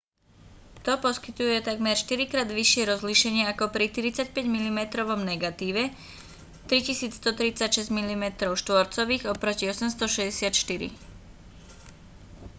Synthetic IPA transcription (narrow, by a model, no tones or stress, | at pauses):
t̪ɔpɔskit̪ujɛt̪aɡmɛɾʃt̪iɾikɾaːd̪ʋiʃɪɛɾɔzliʃɛɲɪɛakɔpɾiʃt̪iɾit͡sac̚pɛɟmilimɛt̪ɾɔʋɔmnɛɡat̪iːʋɛ | t̪ɾicisiːt͡st̪ɔt̪ɾit͡sacʃɛzɟmilimɛt̪ɾɔʊʃt̪ʋɔɾt͡sɔʋiːɣɔpɾɔciɔsɛmst̪ɔʃɛɟɛsɪat̪ʃt̪iɾḭ